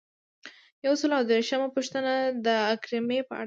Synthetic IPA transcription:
jawsəlawd̪eɾʃəmapəʃt̪ənad̪əakɾɪmepəa̰

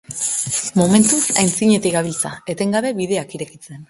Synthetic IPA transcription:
mome̞nt̪usa̰jnt͡siɲe̞t̪iɣaβ̞ilt͡sae̞t̪e̞ŋɡaβe̞βið̞e̞akiɾe̞kit͡se̞n

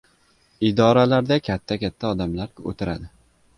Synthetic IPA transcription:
ɪd̪ɒɾalaɾd̪akʲʰat̪ʰːakʲʰat̪ʰːaɒd̪amlaɾʲo̰t̪ʰɪɾad̪ɪ

